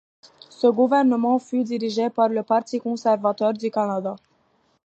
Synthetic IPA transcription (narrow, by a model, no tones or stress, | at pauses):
səɡuvɛʁnəmɑ̃fyd̪iʁiʒepaʁləpaʁt̪ikɔ̃sɛʁvat̪œʁd̪ykanad̪a